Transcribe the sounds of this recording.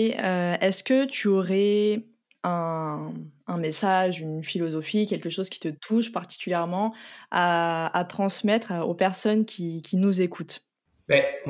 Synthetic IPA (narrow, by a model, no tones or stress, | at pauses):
øɛskət̪yɔʁɛ | ɛ̃ | ɛ̃mesaʒynfilɔzɔfikʲɛlkʲəʃozkʲi̥t̪ət̪ʰuʃpaʁt̪i̥kʲyljɛʁmɑ̃aat̪χɑ̃smɛt̪χopɛʁsɔnkʲikʲinuzekʰut̪ | bɛ